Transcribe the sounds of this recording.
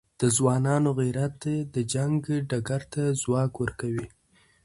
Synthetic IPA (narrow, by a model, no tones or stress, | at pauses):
d̪̥əzwɑnɑnoɣiɾat̪d̪əd͡ʒaŋɡɖaɡaɾt̪azwɑkwəɾkawi